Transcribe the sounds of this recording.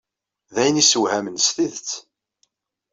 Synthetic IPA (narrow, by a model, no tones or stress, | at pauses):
ðæjənisəwhæmənsθiðt͡sː